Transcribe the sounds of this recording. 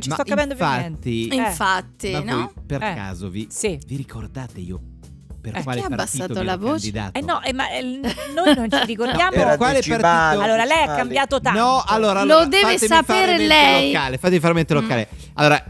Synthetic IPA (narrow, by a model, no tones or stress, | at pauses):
t͡ʃismat̪ɔkːapɛnd̪oanːiiɱfat̪ːimanɔjperɛa̰ːzo̰visiviɾikord̪aːt̪eḭːo | perkkwaːleapaɾbasiaːt̪ot̪lavot͡ʃid̪a̰ːt̪ɛnːɔʔɛmanojnont͡ʃt͡ʃiɾikoɾdjaːmpeɾkwaːlepart̪aoalːoːɾalɛjakːambjaːt̪ot̪anɔalːoːɾalod̪ɛfavaet̪esafeːɾelɛlojkːaːlefat̪ːemifaɾment̪elokːaːle | alːoːɾa